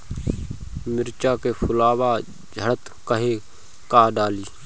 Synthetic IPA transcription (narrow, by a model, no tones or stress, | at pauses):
mɪɾt͡ʃaːkepʰʊlaːʋaː | d͡ʒʱəɽət̪ | kəɦeː | kaːɖaːliː